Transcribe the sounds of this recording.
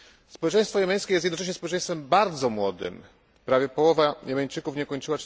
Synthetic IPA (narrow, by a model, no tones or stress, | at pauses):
spɔwɛt͡ʂɛ̃j̃st̪fɔjɛmʲɛj̃skʲejɛst̪jɛd̪nɔt͡ʂɛɕ̬ɲɛspɔwɛt͡ʂɛ̃j̃st̪fɛmbaɾd̪zɔmwɔd̪ɘ̰m | pɾavʲjɛpɔwɔvajɛmʲɛɲt͡ʂɘkufɲɛkɔɲt͡ʂɘwa